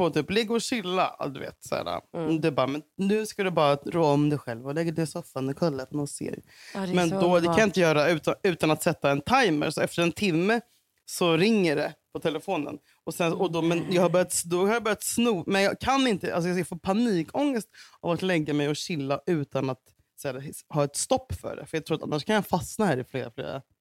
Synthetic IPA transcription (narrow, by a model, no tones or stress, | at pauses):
foːt̪ʰyːplɛɡːəɔɕɪlːa̰d̪ɵvḛːt̪sæ̰ːɾa̰d̪ɛbɑːɾamɛnnʉ̟ːskad̪ɛbɑːɾaɾɔːɔmd̪ɛjɧɛlvɔlɛɡːəɖɛsɔfːand̪əkʰœlːafɔnɔnsḛːɾ | mɛnd̪ɔd̪ɛkaanjɑɪnt̪əjœːɾaʉ̟ːt̪aʉ̟ːt̪anat̪sɛt̪ːaɛnt̪ʰajmə̰ɾsɔɛft̪əɾɛnt̪ʰɪmːə | sɔɾɪŋːəɖɛpʰɔt̪ʰɛləfoːnə̰n | ɔsɛnsɔd̪ɔmɛnjɑːɡhabœɾjat̪sd̪ɔhaɾjabœɾjat̪snuːmɛnjɑːkʰanɪnt̪əʔalsɔjɑjɑfoːɾpʰaniːkʰɔŋːəst̪a̰vat̪lɛɡːamɛjɔɕɪlːaʔʉ̟ːt̪anat̪ | sɛɾhɑːɛt̪st̪ɔpːfœ̰ɖɛ̰fœɾjɑɡt̪ɾuːɾt̪a̰nːaʂkʰanjɑfasnahæːɾɪfleːɾaflḛːɾa̰